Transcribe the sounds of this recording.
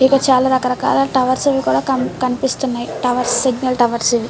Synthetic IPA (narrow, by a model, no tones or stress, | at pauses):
ikɐt͡ʃaːlaɾɐkɐɾɐka̰ːlɐʈɐʋɐɾsiʋikuːɽaːkɐkɐnipist̪unːajʈɐʋɐɾssiɡnɐlʈɐʋɐɾsiʋi